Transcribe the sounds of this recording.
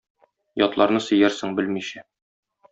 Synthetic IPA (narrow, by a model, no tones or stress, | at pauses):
jɒt̪lˠɑɾnɤsɵ̆jæɾsɘɴbɘlmiɕæ